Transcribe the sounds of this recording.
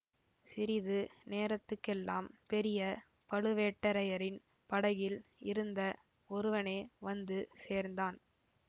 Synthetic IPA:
sɪɾɪðɯneːɾɐt̪ːɯkːɛlːa̰ːmpɛɾɪjɐ | pɐɭɯʋeːʈːɐɾɐjɐɾɪn | pɐɽɐjɪlɪɾɯnd̪ɐ | ɔɾɯʋɐneːʋɐnd̪ɯseːɾnd̪aːn

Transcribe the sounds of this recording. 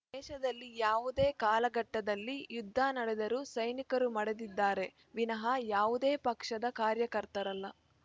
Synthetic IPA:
d̪ɛːʃɐd̪ɐlːijaːʋud̪e̞ːkaːlɐɡɐʈːɐd̪ɐlːijud̪ʱːaːnɐɽed̪ɐɾusɐjnikɐɾumɐɽe̞d̪id̪ːaːɾe̞ | ʋinɐɦɐjaːʋud̪eːpɐkʂɐd̪ɐkaːɾjɐkɐɾt̪ɐɾɐlːɐ

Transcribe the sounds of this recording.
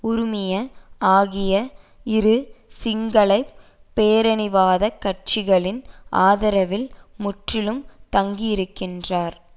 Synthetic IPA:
ʊɾʊmɪjɐaːɣɪjɐ | ɪɾɯsɪŋɡɐɭɐɪppːeːɾɐnɪʋaːðɐkːɐʈ̚t͡ʃɪɣɐɭɪnʔa̰ːðɐɾɐʋɪlmʊʈrɪlɯmt̪ɐŋɡijɪɾɯkːɪndraːɾ

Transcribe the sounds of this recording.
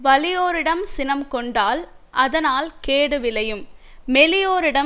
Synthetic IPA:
ʋɐlɪjoːɾɪɽɐmsɪnɐmkɔɳɖaːl | ʔɐðɐnaːlkeːɽɯʋɪlɐjɯmmɛlɪjoːɾɪɽɐ

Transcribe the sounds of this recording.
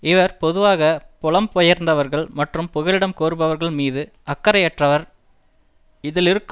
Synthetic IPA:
ɪʋɐɾpɔðɯʋaːɣɐpɔɭɐmpɔjɐɾnd̪ɐʋɐɾɣɐɭmɐʈrɯmpʊɣɐlɪɽɐmkoːɾɯbɐʋɐɾɣɐɭmiːðɯ | ɐkːɐɾɐjɛʈrɐʋɐɾ | ɪðɪlɪɾɯkː

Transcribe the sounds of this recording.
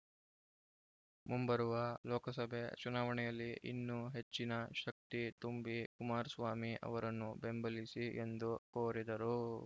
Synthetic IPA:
mumbɐɾuʋɐlɔːkɐsɐbʱet͡ʃunaːʋɐɳɛjɐlːiʔḭnːuɦe̞t͡ʃːinɐʃɐk̚t̪it̪umbikumaːɾsʋaːmiʔɐ̰ʋɐɾɐnːube̞mbɐlisiʔe̞nd̪ukoːɾid̪ɐɾu

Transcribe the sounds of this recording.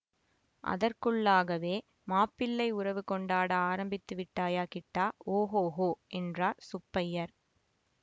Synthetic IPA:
ʔɐ̰ðɐrkɯɭːaːɣɐʋeː | maːpːɪlːɐɪʊrɐʋɯkɔɳɖaːɽaaːɾɐmbɪt̪ːɯʋɪʈːaːjaːkɪʈːaːoːɦoːɦoːʔɛndraːsʊpːɐjɐɾ

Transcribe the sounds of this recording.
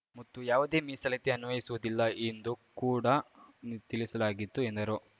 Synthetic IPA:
mɐt̪ːujaːʋud̪e̞ːmisɐlɐt̪eɐnʋɐjisuʋud̪ilːɐend̪ukuːɽɐ | t̪ilisɐlaːɡit̪ːuend̪ɐɾu

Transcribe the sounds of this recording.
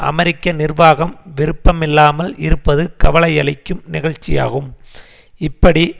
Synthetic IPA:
ʔɐ̰mɛɾɪkːɐnɪrʋaːɣɐmʋɪɾɯpːɐmɪlːaːmɐlɪɾɯpːɐðɯkɐʋɐlɐɪɐɭɪkːɯmnɪɣɐɻt͡ʃːɪja̰ːɣɯm | ɪpːɐɽi

